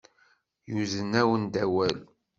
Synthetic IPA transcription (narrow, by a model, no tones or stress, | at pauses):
juzənːæwənd̪æwæl